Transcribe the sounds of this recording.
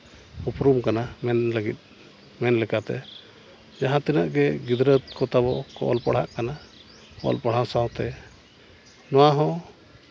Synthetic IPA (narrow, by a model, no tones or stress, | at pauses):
upɾumkanamɛnləɡḭt̪̚ˀ | mɛnlɛkat̪ɛ̰ | d͡ʒaɦãt̪ɛnəʔɡɛɡid̪ɾət̪̚kɔt̪abɔkɔ̰ʔɔ̰lpaɽ̤aʔkana | kɔ̰ɔ̰lpaɽ̤hãsaw̃t̪ɛ | nɔwaɦɔ̃